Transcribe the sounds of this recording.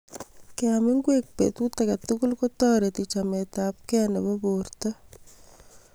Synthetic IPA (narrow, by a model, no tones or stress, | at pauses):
keamɪŋɡwek̚pḛt̪utakatukulkotɔɾetit͡ʃametap̚kɛneβoborta